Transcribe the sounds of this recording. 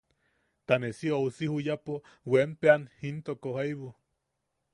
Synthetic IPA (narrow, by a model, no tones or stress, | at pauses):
t̪anesiousihujapo | wempeanhint̪okohajβu